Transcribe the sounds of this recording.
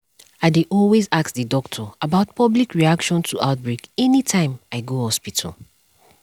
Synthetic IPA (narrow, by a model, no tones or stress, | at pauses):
aɪdeʔɔlwezaktðɨdɔk̚tʰɔabaʊt̚pʰʌblikɹiakʃɔ̃ntʰuʔaʊt̚bɹekɛnitʰãɪ̃maɪɡohɔspitʰa̰l